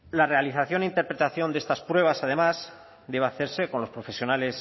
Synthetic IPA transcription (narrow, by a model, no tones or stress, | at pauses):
lare̞aliθaθjo̞neint̪e̞ɾpɾe̞t̪aθjo̞nd̪e̞st̪aspɾwe̞β̞asað̞e̞maz | d̪e̞βaθe̞ɾse̞ko̞nlo̞spɾo̞fe̞sjo̞nale̞s